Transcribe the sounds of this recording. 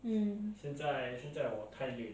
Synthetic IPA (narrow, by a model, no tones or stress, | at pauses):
m̩ɕjɛnt͡saɪɕjɛnt͡saɪwɔkʰany